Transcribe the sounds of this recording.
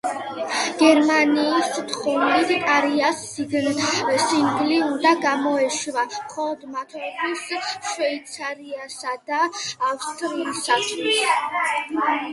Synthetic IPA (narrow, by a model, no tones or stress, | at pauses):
ɡ̥ɛɾmaniːst̪ʰʼχɔmlit̪ʰt̪ʼaɾias | iɡsiŋɡliund̪aɡamɔɛʃvamχɔlˠɔd̪mat̪ʰɔbʰisʃvɛit̪sʰaɾiasad̪aːfst̪ʼɾiːsat̪ʰlis